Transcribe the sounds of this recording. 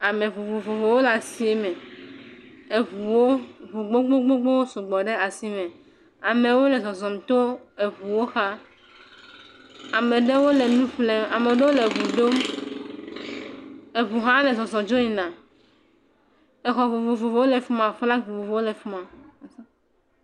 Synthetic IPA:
a˨me˨vo˨vo˨vo˨vo˨wo˦la˨si˦e˦mẽ˨ | e˨βu˨wo˦vu˨ɡ͡bo˦ɡ͡bo˦ɡ͡bo˦ɡ͡bo˦wo˦so˨ɡ͡bɔ˨ɖe˦a˨si˦mẽ˨ | a˨me˨wo˦le˨zɔ˨zɔ˨mt̪o˦e˨βu˨wo˦xa˦ | a˨me˨ɖe˦wo˦le˨nũ˦ɸle˦ma˨me˨ɖe˦wo˦le˨vu˨ɖo˦m | e˨βu˨ɦã˦le˨zɔ˨zɔ˨d͡ʒo˦ɲi˨nã˨ | e˨xɔ˨vo˨vo˨vo˨vo˨wo˦le˨fu˦mã˨fla˦ɡ͡bu˨vo˨vo˦wo˦le˨fu˦mã˨a˨sã˦

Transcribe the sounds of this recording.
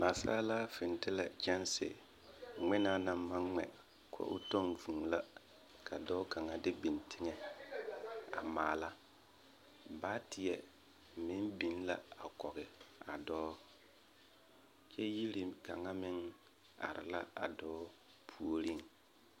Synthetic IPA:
ma˨sa̰ː˦laː˦fɪ˨ntɪ˦la˨t͡ʃɛ˦nsɪ̰˨ | ŋ͡mɪ˦na˦na˨mːa˦ŋːɛ̰˨ | kʰɔ̰˦ʔʊ̰˦tɔ˦ŋvu˨ŋla˦ | kʰa˨dɔː˦ka˨ŋa˨dɪ˦bi˨ntʰɪ˦ŋɛ˨ | a̰˨maː˨la˦ | baː˦tʰɪ˨ɛ˨ | mɪ˦nbi˨n˦la˦a˨kɔ˨ɣɪ˨a˨dɔː˦ | t͡ʃɛ˦ji˦ɾi˨ka˨ŋa˦mɪ˦ŋ | a̰˨ɾɪ̰˨la˦a̰˨dɔː˦ | pʰu˨o˨ɾi˦ŋ

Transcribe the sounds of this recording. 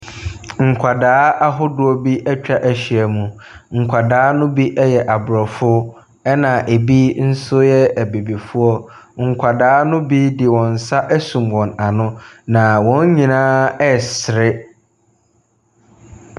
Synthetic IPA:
ŋ̩˨kʷʰa˨daː˦ʔa˦ɦʊ˦dʊ˦ɔ˦bi˦ʔɛ˦t͡ɕᶣa˦ʔæ˨ɕi˨æ˨mũ˨ | ŋ̩˨kʷʰa˨daː˦nʊ̃˦bi˦ʔɛ˦jɛ˨ʔa˨bʊ˨ɾɔ˨fʊ˦ | ɛ˦nã˨ʔe˨bi˦n̩˦sʊ˦jɛ˦æ˨be˨bi˨fʊ˦ɔ˦ | ŋ̩˨kʷʰa˨daː˦nʊ̃˦bi˦dɪ˨wɔ̃˨n̩˨sa˦ʔæ˦sũ˨mwɔ̃˨na˨nʊ̃˦nã˨wɔ̃˦ɲ˦ɲĩ˨nãː˦ɛ˦sɪ˨ɾɪ˦

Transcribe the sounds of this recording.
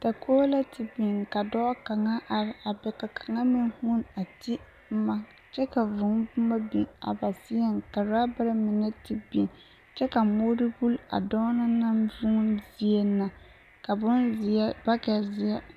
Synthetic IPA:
ta˨kʰo˦la˦tʰɪ˨bi˨ŋka˨dɔ˦ka˨ŋa˦ʔa˨ɾɪ˨ʔa˨bɛ˨ka˨kʰa˨ŋa˦mi˦n˦hu˦na˨ti˦ | ma˦ | t͡ʃɛ˦ka˨vʊ˨ŋ˦bʊ˦ma˦bi˨ŋa̰˨ba˨si˦jɛ˦ŋka˨ɾa˦ba˦ɾɪ˦mɪ˨nɛ˦ti˨bi˨ŋ | t͡ʃɛ˦ka˨moː˦ɾɨ˦ɡu˦la̰˨dɔ˦na˦na˦mvʊ˦ŋ˦zi˦e˦nːa˨ | ka˨bʊ˦nzi˨a˦ba˦ka˨zɪ˦a˦

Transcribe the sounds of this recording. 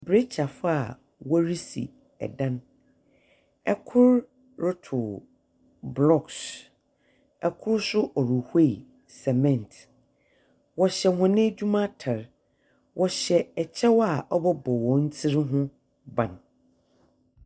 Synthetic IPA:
bɾe˦t͡ɕʰa˨fa˨ | wɔ˦ɾi˦sḭ˨ | ɛ̰˨dã˦n | ɛ˦˨kʰʊ˦ɾ | ɾʊ˦tʰʊ˨ | blɔ˨ks | ɛ˨kʰʊ˦ɾsʊ˦ʔɔ˨ɾu˨he˦˨i˨ | sɛ˨mɛ̃˨ntʰ | wɔ˨ɕɛ˨hʊ̃˨nɪ̃˦d͡ʑᶣu˦mã˦tʰa˨ɾ | wʔɔ˨ɕɛ˨ɛ˨t͡ɕʰɛ˦wɔ˦a˨ʔɔ˦bɔ˦bɔ˨wɔ̃˨n̩˦t͡sʰi˦ɾɦʊ̃˦ | bã̰˨n

